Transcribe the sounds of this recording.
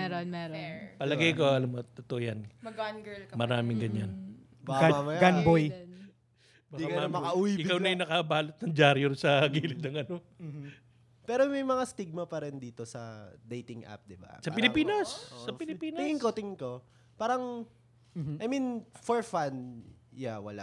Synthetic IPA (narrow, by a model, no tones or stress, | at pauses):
ɛɾonɛɾpɐlɐɡɐjkoɐlamot̪ot̪oʔjanmɐɡnɡɛlkmɐɾaːmɪŋɡɐɲan | mɐmamɐjjɡɐnboj | mɐd̪ikamɐkɐʔuwiɪkawnɐjʊnɐkɐbaːlot̪̚nɐŋd͡ʒaɾjoɾsɐɡiːlɪd̪nɐŋɐno | pɛːɾomɐjmɐŋast̪iɡ̚mɐpɐɾɪnd̪iːt̪o̞sɐ̰d̪ejt̪ɪŋʔa̰p̚d̪ɪba̰sɐpɪlɪpiːnɐsːɐpɪlɪpiːnɐɪɪŋko̞t̪ɪŋɪŋko̞ | paːɾɐŋ | ʔɐjminfoɹfanjawɐla̰ʔ